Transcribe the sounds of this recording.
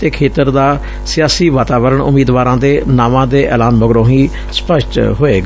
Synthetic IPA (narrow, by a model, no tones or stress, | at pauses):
t̪eːkʰeːt̪əɾd̪aː | sɪjaːsiːʋaːt̪aːʋəɾəɳʊ̰miːd̪ʋaːɾãːd̪eːnaːʋãːd̪eːʔɛ̰ːlaːnbəɡɾõːɦiː | spəʃʈɦoːeːɡaː